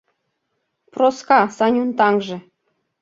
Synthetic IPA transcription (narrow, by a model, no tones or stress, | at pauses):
proskɑsɑnʲunt̪ɑŋʒĕ